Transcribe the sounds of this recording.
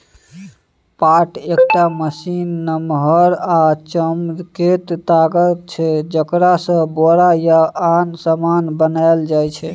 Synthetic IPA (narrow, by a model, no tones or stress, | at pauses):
paʈekʈaməsinːəmɦəɾat͡ʃəmket̪ːaɡət͡ʃʰɛd͡ʒəkɾasə̃boɾajaansəmanbənaeld͡ʒajt͡ʃʰɛ